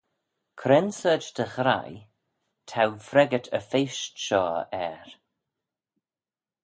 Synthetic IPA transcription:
kʰɾɛnsəd͡ʒd̪ʰəxɾa̰j | tʰawfɾɛɡətʰə̰fejʃʃɔːɛɾ

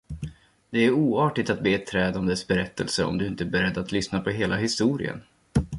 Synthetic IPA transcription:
d̪ɛæɾuːɑːʈɪt̪at̪̚beːɛt̪ʰːɾɛːd̪ɔmd̪ɛsbɛɾɛt̪ʰːəlsəɔ̰md̪ɵɪnt̪əbɛɾɛd̪ːat̪lʏsnapʰɔɦeːlaɦɪst̪uːɾɪ̰ə̰n

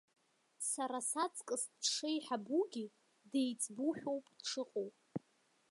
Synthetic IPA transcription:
saɾasat͡sʼkʼɨstʂejħabuɡʲi | dejt͡sʼbuħᶣowpʼdʈ͡ʂʰɨqʼowpʼ

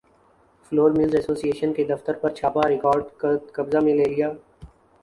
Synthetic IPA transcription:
floːɾmɪlzɛsoːsieːʃənked̪ɐft̪əɾpɐɾt͡ʃʰaːpaɾɪkɔːɾɖkɐbzamẽleːlɪijaː

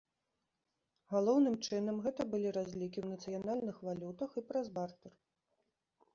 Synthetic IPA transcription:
ɣalˠɔwnɨmt͡ʂɨnɐmɣɛt̪ɐbɨlʲiɾazʲlʲikʲiwnɐt̪sɨjanalʲnɨxvalʲut̪ɐxipɾɐzbart̪ɐr

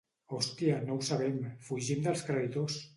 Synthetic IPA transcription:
ost̪ianowsaβɛmfuʒimd̪əlˠskɾəiðos

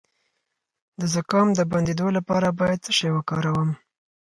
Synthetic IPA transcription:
d̪əzakɑmd̪əband̪ed̪olapɑɾabɑjad̪ʃewakɑɾawəm

